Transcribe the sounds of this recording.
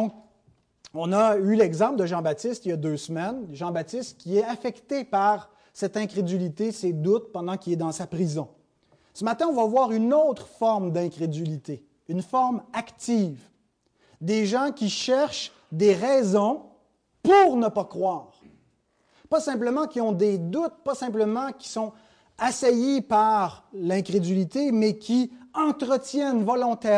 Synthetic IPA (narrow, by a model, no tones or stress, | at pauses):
d̪ɔ̃k | ɔ̃naylɛɡzɑ̃pld̪əʒɑ̃bat̪ɪst̪iljad̪øsmɛnʒɑ̃bat̪ɪst̪kʲiɛafɛkt̪epaʁ | sɛt̪ɛ̃kʁed̪ylit̪esed̪ʊt̪̚pɑ̃d̪ɑ̃kʲilɛd̪ɑ̃sapʁizɔ̃ | səmat̪ɛ̃ɔ̃vavwaːʁynot̪χfɔʁmd̪ɛ̃kʁed̪ylit̪e | ynfɔʁmakt̪iv | d̪eʒɑ̃kʲiʃɛʁʃ | d̪eʁɛzɔ̃ | puʁnəpakχwaːʁ | pasɛ̃p̬ləmɑ̃kʲiɔ̃d̪ed̪ut̪̚pasɛ̃p̬ləmɑ̃kʲi̥sɔ̃ | asajipaʁlɛ̃kʁed̪ylit̪emɛkʲʰiɑ̃t̪ʁət̪jɛnvɔlɔ̃t̪ɛ